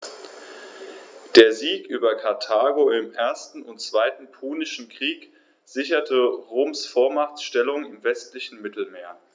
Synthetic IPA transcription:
d̥eːɐziːkʔyːbɐkʰaɐtʰaːɡoɪmʔeːɐstn̩ʊntt͡sv̥aɪtn̩pʰuːnɪʃn̩kʁ̥iːk | z̥ɪçɐtʰəʁoːmsfoːɐmaʁt͡sʃtɛlʊŋɪmvɛstlɪçn̩mɪtl̩meːɐ

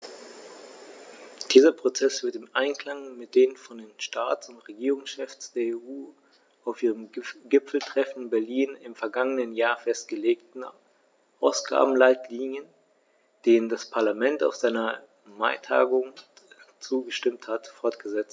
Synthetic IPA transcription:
d̥iːzɐpʁ̥ot͡sɛsv̥ɪɐtɪmʔaɪnkl̥aŋmɪt̚d̥eːnfɔndeːnʃtaːtt͡sʊntʁeɡiːʁʊŋsʃɛfsd̥eːɐeːʔuː | aʊfʔiːʁəmɡɪpp͡fl̩tʁ̥ɛfn̩ɪnbɛɐliːnɪmfɛɐɡaŋənənjaːɐfɛst̚ɡ̥əleːktn̩ | ʔaʊsɡ̥a̰ːbm̩laɪtliːnjən | d̥eːnəndaspʰaɐlamɛnta̰ʊfz̥aɪnɐ | maɪtʰa̰ːɡʊŋ | t͡suːɡəʃtɪmthatfɔɐtɡ̥əzɛt͡st

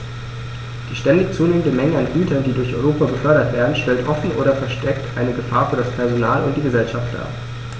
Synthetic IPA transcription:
d̥iːʃtɛndɪçt͡suːneːmən̩dəmɛŋəanɡyːtɐndiːdʊɐçʔɔʏʁ̞oːpabəfœɐɾɐtv̥eːɐdn̩ʃtɛltʔɔfn̩ʔo̰ːɾɐfɛɐʃtɛktʔaɪnəɡəfaːɐfyːɐdaspʰɛɐzonaːlʊnt̚d̥iːɡəzɛlʃaft̚d̥a̰ːɐ

